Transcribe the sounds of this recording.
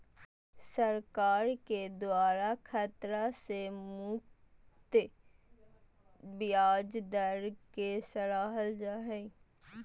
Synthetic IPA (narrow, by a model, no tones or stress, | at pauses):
səɾkaːɾked̪ʊaːɾakʰət̪ɾasemʊk | t̪ː | bɪjaːd͡ʒd̪əɾkesəlaːɦəld͡ʒaːɦɛi